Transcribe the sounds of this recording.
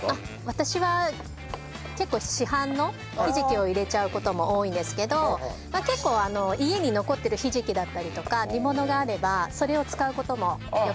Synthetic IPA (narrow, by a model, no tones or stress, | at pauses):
a | βat̪aɕiβa | ke̞kːo̞ːɕiɦãnːo̞ | çiʑikʲio̞iɾe̞t͡ɕaɯ̟ko̞t̪o̞mo̞oːĩnd̪e̞sɨ̥ke̞d̪o̞make̞kːo̞ːano̞ie̞ɲ̟ino̞ko̞t̪ːe̞ɾɯ̟çiʑikʲid̪at̪ːaɾʲit̪o̞kaɾʲimo̞no̞ɡaːɾe̞baso̞ɾe̞o̞t͡sɨ̥kaɯ̟ko̞t̪o̞mo̞jo